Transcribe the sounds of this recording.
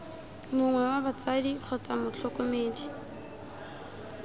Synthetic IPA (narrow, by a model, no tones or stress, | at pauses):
mʊŋwɛwabat͡sadiχʊt͡sʼamʊt͡ɬʰɔkʊmeːdi